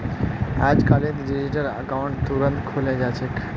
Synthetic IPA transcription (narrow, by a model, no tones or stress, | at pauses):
ad͡ʒkalet̪ɖid͡ʒiʈələ̰kaʊ̃ɳʈt̪uɾənt̪kʰoled͡ʒat͡ʃʰek